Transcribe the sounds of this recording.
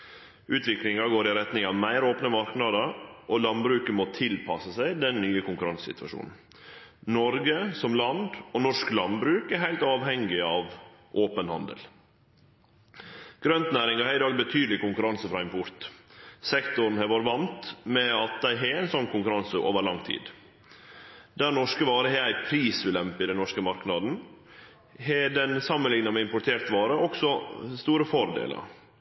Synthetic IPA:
ʔʉːt̪ʋɪklɪŋɑɡoːɾɪɾɛt̪nɪŋɑʋmæɪɾoːpnəmɑɾknɑːd̪əɾʔɔlɑnd̪bɾʉːkəmot̪ʰɪlpʰɑsəsæɪd̪ɛnːyːəkʊŋkʉɾɑnssɪ̰t̪ʰʋɑ̰ʂṵːnn̩ | nɔɾɡəsɔmlɑnd̪ɔnɔʂklɑnbɾʉːkæɦæɪlt̪ɑːʋhɛŋːɪɑːʋ | ʔoːpənhɑ̰nd̪ə̰l | ɡ̥ɾœnt̪næːɾɪŋɑɑɾɪd̪ɑːɡbət̪ʰyːd̪əlɪkʊŋkʉɾɑnsəfɾɑːɪmpʰɔɾt̪sɛkt̪ʊɾn̩hɛʋoːɾʋɑnt̪mɛɑt̪̚d̪æɪɦɛæɪnsɔnːkʰʊŋkʉɾɑnsəʔo̰ːʋəɾɭlɑŋːt̪ʰḭːd̪ | d̪æɾnɔʂkəʋɑːɾəɦɛæɪpʰɾiːsʉlɛmpəɪd̪ɛnːɔʂkəmɑɾknɑd̪n̩ | ɦɛd̪ɛnsɑmːənlɪŋnɑmɛɪmpʊʈ̪ʰeːɾt̪ʋɑːɾəʔɔksɔst̪uːɾəfɔɾd̪ḛːlə̰ɾ

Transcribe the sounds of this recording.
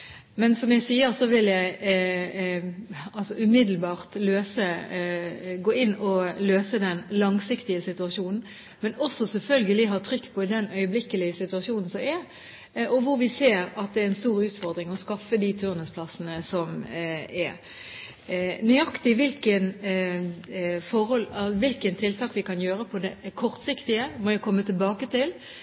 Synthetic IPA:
mɛnsɔmjæɪsiːəɾsɔʋɪljæɪ | ɑlsɔʉmɪd̪l̩bɑːʁt̪løːsə | ɡoːɪnːɔløːsəd̪ɛnlɑŋsɪkt̪ɪəsɪt̪ʉɑʂuːnn̩ | mɛnɔsːɔsɛlfœlɡəlɪɦɑːt̪ʰɾʏkːpʰɔɪd̪ɛnœʏəblɪkːəlɪəsɪt̪ʉɑʂjuːnn̩sɔmɛɾ | ʔɔʋʊɾʋɪseːɾɑt̪̚d̪ɛæɾɪnst̪uːɾʉːt̪fɔʁd̪ɾɪŋɔskɑfːəd̪it̪ʰʉʁnəspʰlɑsənəsɔmɛ | nʏɑkt̪ɪʋɪlkən | fɔɾhɔlʋɪlkənt̪ʰɪlt̪ʰɑːkʋɪkɑnjøːɾəpʰɔd̪ɛkʰɔʁt̪sɪkt̪ɪəmɔjækʰɔmːət̪ʰɪlbɑːkət̪ɪl

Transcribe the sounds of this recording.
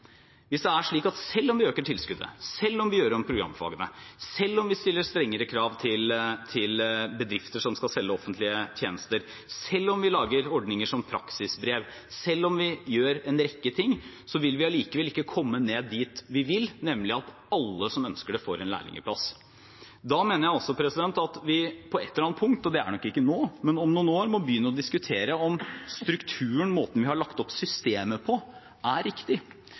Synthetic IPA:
ʋɪsd̪ɛæʂɭiːkɑt̪sɛlːɔmʋɪøːkəʈʰɪlskʉd̪ə̰sɛlːɔmʋɪjøːɾɔmpʰɾʊɡɾɑ̰mːfɑ̰ːɡənəsɛlːɔmʋɪst̪ɪlːəɾst̪ɾɛŋːəɾəkʰɾɑːʋt̪ʰɪlt̪ʰɪlbəd̪ɾɪft̪əʂɔmskɑlsɛlːəɔfənt̪lɪət̪ʰjeːnəst̪əɾ | sɛlːɔmʋɪlɑːɡəɾɔɖnɪŋəʂɔmpʰɾɑksɪsbɾeːʋ | sɛlːɔmʋɪjøːɾɛnɾɛkːət̪ʰɪŋː | sɔʋɪlʋɪɑliːkəʋɛlɪkːəkʰɔmːəneːd̪ːiːt̪ʋɪʋɪlnɛmlɪɑt̪ | ɑlːəsɔmœnskəɖɛfo̰ːɾɛnlæ̰ːɭɪ̰ŋə̰pʰlɑ̰s | d̪ɑmeːnəɾjæɪɔsɔpʰɾɛsɪd̪ɛnt̪ɑt̪ʋɪpʰɔɛt̪ːəɾɑnt̪pʰʊŋkt̪ɔd̪ɛæ̰ɳɔkːɪkːənoːmɛnɔmnuːnoːɾmɔbjʏːnːəɔd̪ɪskʉt̪ʰeːɾəɔmst̪ɾʉkt̪ʰʉːəɳmoːt̪ən̩ʋɪhɑɭɑkt̪ɔpsʏst̪eːməpʰɔ | ʔæɾɪkt̪ɪ

